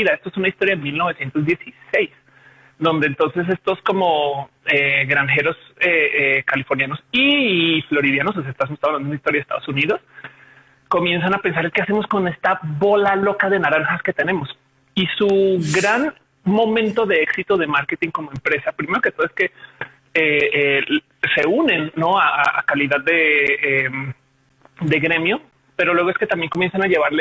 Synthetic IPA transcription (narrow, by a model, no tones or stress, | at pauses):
ðaest̪oe̞sunaist̪o̞ɾjaenmilno̞βe̞sje̞nt̪o̞zðje̞sisejs | d̪o̞nd̪eːnt̪onse̞s̬e̞st̪o̞sko̞mo̞ | eɣɾaŋxe̞ɾo̞seekalifo̞ɾnjanosiflo̞ɾiðjano̞s̬osaest̪azmost̪aðnanminmaist̪oɾjaðest̪aðosuniðo̞s | ko̞mje̞ns̬anape̞nsaɾelke̞ase̞mo̞sko̞ne̞st̪aβo̞lalo̞kaðe̞naɾaŋxaske̞t̪e̞ne̞mo̞s | isuɣɾan | mo̞mẽ̞nt̪o̞ðe̞eksit̪o̞ðe̞maɾket̪iŋko̞mo̞e̞mpɾe̞sapɾime̞ɾo̞ke̞t̪oðeske̞ | ee | seunẽ̞nːo̞aaa̰kaliðaððe̞em | d̪e̞ɣɾe̞mjo̞ | pe̞ɾolwe̞ɣeske̞t̪ambje̞ŋko̞mjensanaʝe̞βaɾle